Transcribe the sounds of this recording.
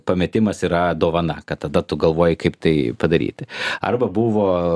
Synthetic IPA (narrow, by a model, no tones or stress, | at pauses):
pɐmʲɛt̪ʲɪmɐsiːɾɐd̪oːʋɐnɐkɐt̪̚t̪ɐd̪ɐt̪ʊɡɐlˠʋoɔjɪkɐɪpt̪ɐɪpɐd̪ɐɾʲḭːt̪ʲɪɐ̰rbɐbuʋoː